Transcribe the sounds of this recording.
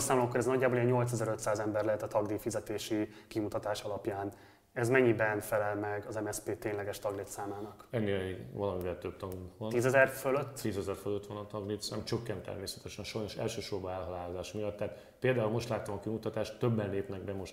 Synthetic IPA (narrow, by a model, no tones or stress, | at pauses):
saːmolomkːoɾɛznɒɟːaːbolijɛɲːo̞lt̪sɛzɛɾøt̪saːzɛmbɛrlɛɦɛt̪ːɒt̪ɒɡd̪iːfizɛt̪eːʃikimut̪ɒt̪aːʃɒlɒpjaːn | ɛzmɛɲːibɛnfɛlɛlmɛɡɒzɛmɛspeːt̪eːnlɛɡɛʃt̪ɒɡlit̪saːmaːnɒkɛnːeːvɒlɒmivɛlt̪øb̚t̪ɒɡuʋɒniːzɛzɛrføløt̪ːt̪iːzɛzɛrføløt̪ʋɒnɒt̪ɒɡlit̪saːmt͡ʃøkːɛnt̪ːɛ̰rmeːsɛ̥t̪ɛʃɛnʃɒjno̞ʃɛ̰lʃøːʃorbɒɛlɦɒlaːlozaːʃmijɒt̪ːɛːt̪ | peːld̪aːulmo̞ʃt̪laːt̪omɒkimut̪ɒt̪aːʃt̪ːøbːɛnleːpnɛɡ̚bɛmo̞ʃt̪